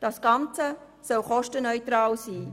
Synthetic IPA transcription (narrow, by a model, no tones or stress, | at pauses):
d̥ɑsɡ̥ɑnt͡sə | sɔlχɔʃtənœʏtɾɑːlsiː